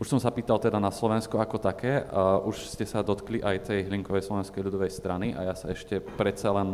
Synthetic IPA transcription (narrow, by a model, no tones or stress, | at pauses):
uʃsɔmsapiːt̪alt̪ɛd̪anaslɔʋɛnskuakɔt̪akɛːʔuʃscɛsad̪ɔt̪kliʔajt̪ɛjɦliŋkɔʋɛjslɔʋɛnskɛjʎud̪ɔʋɛjst̪ɾaniʔa̰jasaɛʃcɛpɾɛt̪t͡salɛn